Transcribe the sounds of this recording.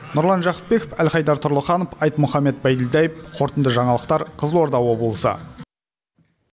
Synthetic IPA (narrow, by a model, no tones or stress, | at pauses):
nʊɾlˠɑnʒɑqə̥p̚be̞kofælχɑjd̪ɑɾt̪ʰʊɾlˠəχɑnofɑjt̪mʊχɑmːe̞t̪̚bæjd̪ɪld̪æjəpqʰo̞ɾt̪ənd̪əʒɑɴɑlˠəqt̪ɑɾqʰəzlˠwo̞ɾd̪ɑwo̞bəlˠəsə̰